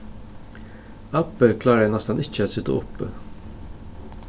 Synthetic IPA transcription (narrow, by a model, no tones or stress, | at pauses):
ɑpəkʰlɑːɾəjænɛst̪ənʔɪçəæt̪sʏt̪ə̰ʊ̰pːə̰